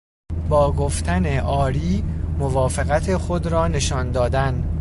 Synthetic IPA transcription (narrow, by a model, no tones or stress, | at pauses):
bɒːɡoft̪ʰæneʔɒːɾiːmovɒːfeɣæt̪ʰexod̪ɾɒːne̞ʃɒːnd̪ɒːd̪æn